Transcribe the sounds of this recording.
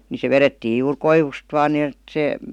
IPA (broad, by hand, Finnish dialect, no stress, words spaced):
ni se ʋeretːiːj juːr koiʋust ʋɑːn niət se